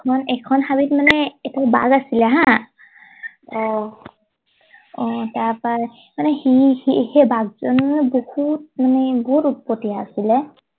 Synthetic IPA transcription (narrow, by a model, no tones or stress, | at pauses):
kʰɔnɛkʰɔnhabitmanɛːtʰaba̰ɡasilɛɦã | ɔ | ɔtaɹpa | manɛhihihɛbaɡzɔnanɛbɔhut̚manɛbɔhutup̚pɔtijaːsilɛ